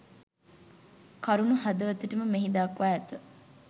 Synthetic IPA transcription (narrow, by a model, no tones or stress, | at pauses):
kɐɾunuɦɐd̪ɐʋɐt̪uʈɐməmeɦid̪aːkuaːɛt̪ɐ